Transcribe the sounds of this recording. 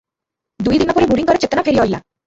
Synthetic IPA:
d̪ujd̪inɔpoɾebuɾiŋkɔɾet͡ɕet̪onafʰeɾiojla̰

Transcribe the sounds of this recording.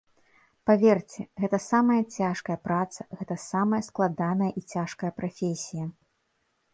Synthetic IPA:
pavʲɛrt͡sʲɛɣɛt̪ɐsamɐjɐt͡sʲaʂkɐjɐpɾat̪sɐ̥ɣɛt̪ɐsamɐjɐsklˠad̪anɐjɐʔit͡sʲaʂkɐjɐpɾʔafʲesʲijɐ

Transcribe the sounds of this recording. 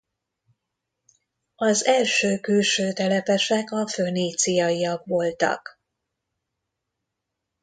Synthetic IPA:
ɒzɛlʃøːkylʃøːt̪ɛlɛpɛʃɛkɒføneːt̪sijɒiɒkʋo̞lt̪ɒ̰k

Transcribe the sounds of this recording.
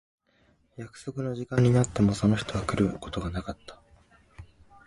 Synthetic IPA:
jakɯ̟̥so̞kɯ̟no̞ʑikãɲ̟ːinat̪ːe̞mo̞so̞no̞çi̥t̪o̞βakɯ̟ɾɯ̟ko̞̥t̪o̞ɡanakat̪ːḁ

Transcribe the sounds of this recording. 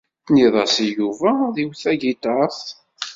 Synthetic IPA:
niðˤɑsijuvæðiwθæʝit̪ɑθ

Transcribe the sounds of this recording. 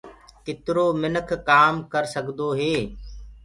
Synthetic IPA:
kɪt̪ɾoːmɪnəkʰkaːmkəɾsəɡd̪oːɦeː

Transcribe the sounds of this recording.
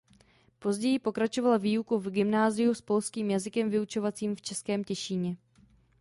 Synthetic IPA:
po̞zɟɛjɪpo̞kɾat͡ʃo̞valaviːukuvɡɪmnaːzɪjuspo̞lskiːmjazɪkɛmvɪut͡ʃo̞vat͡siːmft͡ʃɛskɛːmcɛʃiːɲɛ

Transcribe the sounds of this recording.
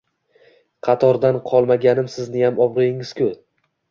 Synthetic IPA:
qʰɑt̪ʰɒɾd̪anqʰɒlˠmaɡʲanɪmsɪznɪjamɒbɾɨɪŋɪz̥kʲʰʊ

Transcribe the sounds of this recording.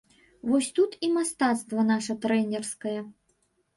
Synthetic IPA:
vɔsʲt̪ut̪imast̪at̪st̪vɐnaʂɐt̪ɾɛnʲɛrskɐjɐ

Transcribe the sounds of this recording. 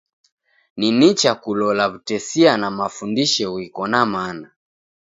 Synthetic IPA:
ninit͡ʃakulɔlaβutɛsianamafundiʃɛwikɔnamana

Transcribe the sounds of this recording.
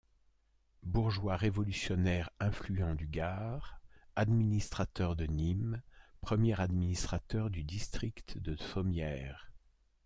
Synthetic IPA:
buʁʒwaʁevɔlysjɔnɛʁɛ̃flyɑ̃d̪yɡaʁad̪minist̪χat̪œʁd̪ənimpχəmjɛʁad̪minist̪χat̪œʁd̪yd̪ist̪χikt̪d̪əsɔmjɛːʁ

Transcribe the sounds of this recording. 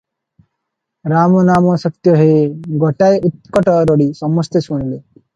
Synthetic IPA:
ɾamɔnamɔsɔt̪jɔɦeɡɔʈajʔut̪̚kɔʈɔɾɔɽisɔmɔst̪esuɽ̃ile

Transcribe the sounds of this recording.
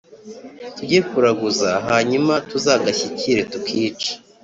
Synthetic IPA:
tuɟekuɾaɡuzaɦaːɲumatuzaɡaçiciɾetukʰiːt͡ʃi̥

